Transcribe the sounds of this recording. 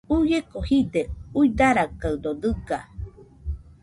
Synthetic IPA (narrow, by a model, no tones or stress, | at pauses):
ujekohid̪euid̪aɾakaɨd̪od̪ɨɡa